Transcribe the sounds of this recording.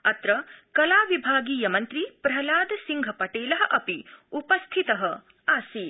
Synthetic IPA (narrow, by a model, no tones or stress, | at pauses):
ɐt̪ɾɐkɐlaːʋibʱaːɡiːjɐmɐnt̪ɾipɾɐlaːd̪ɐsiŋɡʱɐpɐʈeːlɐɦɐ̆ʔɐpiupɐst̪ʰit̪ɐɦɐ | aːsi